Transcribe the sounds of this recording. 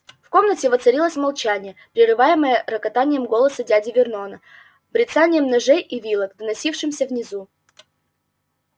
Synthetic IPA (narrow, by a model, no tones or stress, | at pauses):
fko̞mnətʲɪvət̪sɐɾʲilˠəsʲmɐlˠt͡ɕænʲɪjəpɾʲɪrɨvajɪməjəɾəkɐt̪anʲɪjəmɡo̞lˠəsədʲædʲɪvʲɪrno̞nə | bɾʲɪt̪sanʲɪjəmnɐʐɛjivʲilˠəkd̪ənɐsʲifʂɨmsʲəvnʲɪzu